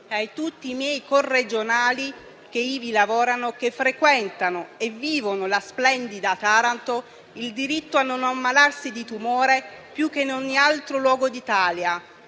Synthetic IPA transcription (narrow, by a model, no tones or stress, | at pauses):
ajt̪ut̪ːiːmjɛjkorːed͡ʒonaːli | k̟eiːvilavɔːɾanokefːɾekwɛnt̪anoeviːvonolasplɛnd̪id̪at̪aɾant̪o | ild̪iɾit̪ːoanːonamːalarsid̪it̪umoːɾe | pjuk̟ːenoɲːialt̪ɾolwɔːɡod̪it̪aːlja